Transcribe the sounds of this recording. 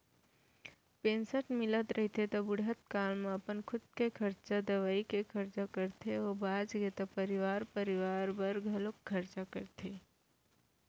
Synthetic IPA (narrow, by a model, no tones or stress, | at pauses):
pẽːnsəʈmɪlət̪ɾʔəɦt̪ʰet̪obʊɽət̪kaːlmẽɐpənkʰʊd̪̚kekʰɐɾt͡ʃad̪ɐʋaːikekʰɐɾt͡ʃakəɾt̪ʰeobaːd͡ʒɡet̪opəɾɪʋaːɾpəɾɪʋaːɾbəɾɡʱɐlokkʰːɐɾt͡ʃakəɾt̪ʰe